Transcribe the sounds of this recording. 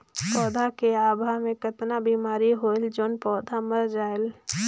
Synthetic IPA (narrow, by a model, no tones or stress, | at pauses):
pɔːd̪ʱakeaːbʱaɦmẽkət̪nabiːmaːɾiɦoːeld͡ʒoːnpɔːd̪ʱaməɾd͡ʒaːel